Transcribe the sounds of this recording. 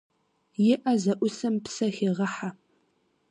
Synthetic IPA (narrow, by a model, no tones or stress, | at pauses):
jɪʔɐzɐʔʷʊsɐmpsɐxiːʁɐħa